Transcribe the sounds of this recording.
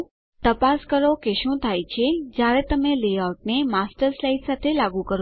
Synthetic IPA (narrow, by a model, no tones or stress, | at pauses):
t̪əpaskəɾokeʃũt̪ʰajt͡ʃʰed͡ʒjaɾet̪əmelejaʈ̚nemasʈəɾslajʈsat̪ʰelaɡũkəɾ